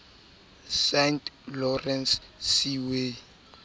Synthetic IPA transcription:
sɛntʰlɔrɛnsːiwe

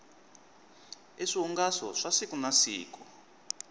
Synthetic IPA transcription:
eʂiɔŋɡasɔ̰ʂasikunasḭːku

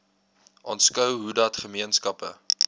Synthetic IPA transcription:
ʔɑ̰ːntskœwɦudɐtχəmiənskɐpə

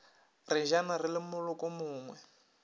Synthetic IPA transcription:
rɪʒanarɪlɪmʊlʊkʼɔmʊːŋwɛ

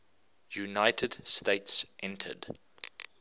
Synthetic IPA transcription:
junaɪtʰədsteɪtsʔɛ̃ntʰə̰d

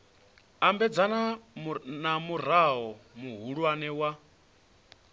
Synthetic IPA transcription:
ambɛd͡zana | namuɾ̤aɦɔmuɦuɺwanɛwa

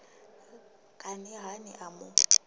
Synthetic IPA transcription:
kʼanɪɦanɪ̰ʔamʊ

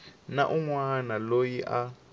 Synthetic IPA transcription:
na̰ʔuŋwanalojiʔa

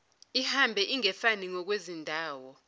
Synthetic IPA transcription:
ihambʱɛʔiŋɛfaniŋɔk̬wezindʱaːwɔ

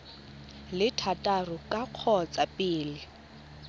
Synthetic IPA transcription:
lɪtʰatʼarʊkʼaq͡χʰɔt͡sʼapʼiːlɪ

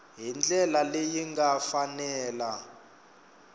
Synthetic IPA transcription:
ɦind͡ɮʱɛlalejiŋɡafanɛːla

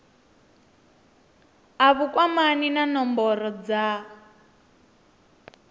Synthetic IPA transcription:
aβukwamaninanɔmbɔɾɔd͡za

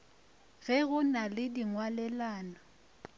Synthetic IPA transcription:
ɣɛɣʊnalɪdiŋwalɛlaːnɔ

